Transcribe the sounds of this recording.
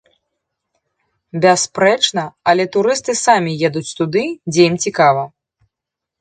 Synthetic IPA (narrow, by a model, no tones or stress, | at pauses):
bʲɛspɾɛt͡ʂn̪ɐɐlʲɛt̪uɾɨst̪ɨsamʲijɛd̪ut͡sʲt̪ud̪ɨd͡zʲejimt͡sʲikavɐ